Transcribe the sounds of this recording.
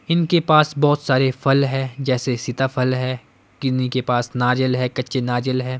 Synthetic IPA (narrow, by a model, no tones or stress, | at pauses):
ɪnkepaːsbɔːt̪saːɾefʰɐlɦɛ̃ːd͡ʒɛːsesɪt̪afʰɐlɦɛː | kɪnikepaːsnaːd͡ʒəlɦɛːkɐtːʃenaːd͡ʒəlɦɛ̃ː